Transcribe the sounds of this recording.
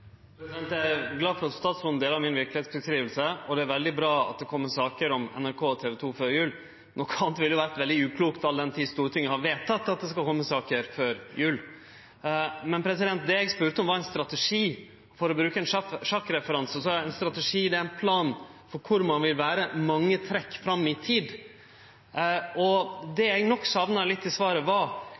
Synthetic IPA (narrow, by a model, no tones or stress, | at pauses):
pɾɛsɪd̪ɛnt̪jææɾɡlɑːfɔɾɑt̪st̪ɑːt̪sɾɔnəd̪eːləɾmɪnʋɪɾklɪheːt̪sbəskɾiːʋəlsəɔd̪ɛæɾʋɛld̪ɪbɾɑːɑ̰t̪̚d̪ɛkʰɔmːəsɑːkəɾɔmɛ̰næɾkʰoːɔt̪ʰeːʋɛt̪ʰuːføːɾjʉːl | nɔkːɑlt̪ʋɪljʊʋæːɾt̪ʋɛld̪ɪʉːkʰluːkt̪ʰɑlːəd̪ɛnt̪ʰiːst̪uːɾt̪ʰɪŋːəhɑɾʋeːt̪ʰːɑt̪ːɑt̪̚d̪ɛskɑlkʰɔmːəsɑːkəɾføːɾjʉːl | mɛnpʰɾɛs̬ɪd̪ɛnt̪̚d̪ɛɛɡspʉːɾt̪əɔmʋɑɾɛnst̪ɾɑt̪ɛʂiː | fɔɾɔbɾʉːkəɛnʂʂɑkːɾɛfəɾɑnsɔsɔɛnst̪ɾɑt̪əʂiːd̪ɛæɾɪnpʰlɑːnfɔɾkʰʊɾmɑnʋɪlʋæːɾəmɑŋːət̪ʰɾɛkːfɾɑmːɪt̪ʰiːd̪ | ɔd̪ɛɛɡnɔkːsɑʋnɑlɪt̪ːɪsʋɑːɾəʋɑ